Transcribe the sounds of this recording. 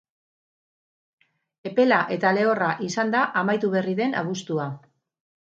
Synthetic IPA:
e̞pe̞laʔe̞t̪ale̞o̞raʔisand̪aʔamajt̪uβe̞riðe̞na̰βust̪ua

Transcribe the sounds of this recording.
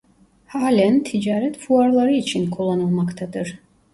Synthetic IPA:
haːlʲænt̪ʰid͡ʒaːɾɛt̪fuaɾlˠɑɾɯit͡ʃʰinkʰolˠːanɯlˠmɑkt̪ʰad̪ɯɾ

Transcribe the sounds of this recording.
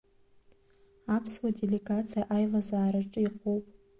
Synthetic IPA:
apʰswadeleɡat͡sʰijaʔajlazaːɾɨʈ͡ʂʼɨiqʼʰowpʼ

